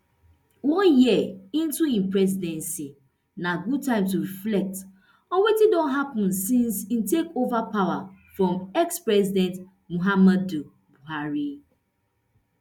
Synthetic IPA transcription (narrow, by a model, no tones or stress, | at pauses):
wɔ̃njiəĩn̩tuĩmpɹɛzidɛ̃nsi | naɡud̚tãɪ̃mtuɾiflɛk̚t | ɔwetidõnɦapnsĩnsin̩tekovapawafɹɔ̃mɛkspɹɛzidɛ̃nt | muɦamadu | buɦaɾi